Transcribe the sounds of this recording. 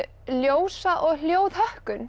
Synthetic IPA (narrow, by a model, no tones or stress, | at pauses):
ljoːwsaʔɔɣl̥joːwðhœhkʏn